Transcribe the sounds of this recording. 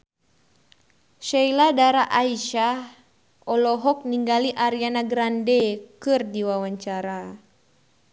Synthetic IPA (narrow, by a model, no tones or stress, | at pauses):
ʃailadaɾaʔaiʃah | ɔlɔɦɔk̚niŋɡaliʔaɾianaɡɾandɛkɨrdiwawaɲt͡ʃaɾa